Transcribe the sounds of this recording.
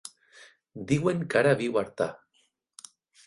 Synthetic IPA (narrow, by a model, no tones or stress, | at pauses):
d̪iɣweŋkaɾaβiwaɾt̪a